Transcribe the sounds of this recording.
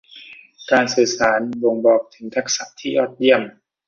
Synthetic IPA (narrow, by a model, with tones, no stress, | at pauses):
kaː˧nsɯː˨˩saː˩˦nbo˧ŋbɔː˨˩k̚t̪ʰɯ˩˦ŋt̪ʰa˦˥k̚sa˨˩ʔt̪ʰiː˥˩ʔɔː˦˥˩t̪̚ji˧˥˩əm